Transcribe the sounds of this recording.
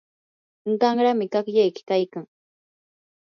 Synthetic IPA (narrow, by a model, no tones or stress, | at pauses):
ŋɢɑŋɾamɪkakjajkɪ̥kajkaŋ